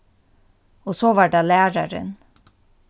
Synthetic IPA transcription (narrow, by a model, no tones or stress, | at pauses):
osoːʋɑːɖɑːlæːɾaɾə̰n